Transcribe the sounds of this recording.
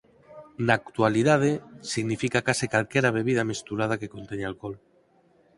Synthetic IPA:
naːkt̪waliðað̞esiɣnifikakasikalkeɾaβ̞e̞βið̞amist̪uɾað̞akekont̪eɲalkol

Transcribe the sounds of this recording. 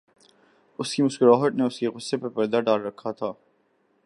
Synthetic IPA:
ʊskimʊʃkɪɾɔːɦət̪neʊskeɣʊsːepɐpɐɾd̪aɖaːlɾɐkʰːat̪ʰaː

